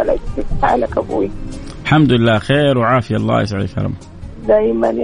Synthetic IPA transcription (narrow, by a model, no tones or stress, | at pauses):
alaɪtaːlakabṵwilħamd̪ʊɪlːaːxeːɾwʕaːfɪjalˤːɑ̰ːjɪ̰s̬ʕalɪ̰kɑ̰ɾˤɑ̰m | d̪aːjman